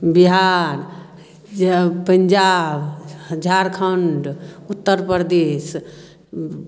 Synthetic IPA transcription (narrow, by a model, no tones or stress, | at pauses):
biɦaɾ | pəɲd͡ʒabɦəd͡ʒʱaɾkʰəɳɖut̪ːəɾpəɾd̪es